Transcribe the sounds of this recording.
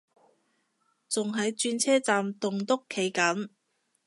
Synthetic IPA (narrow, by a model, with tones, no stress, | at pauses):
t͡sʊ˨ŋɦɐ˨˧jt͡ʃyː˧nt͡sʰɛː˥t͡saː˨mt̪ʊ˨ŋt̪ʊ˥kʰːe˨˥jkɐ˨˥n